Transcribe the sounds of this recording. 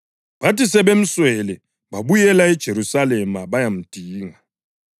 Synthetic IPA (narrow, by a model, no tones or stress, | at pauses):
βatisɛβem̩swɛlɛ | βaβujɛlaɛd̥ʒ̥ʱeɾusalɛmaβajam̩d̥ʱiːŋa